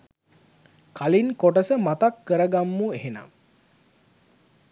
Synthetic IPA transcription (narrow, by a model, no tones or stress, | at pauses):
kalinkoʈəsəmat̪akːəɾəɡamːueɦena̰m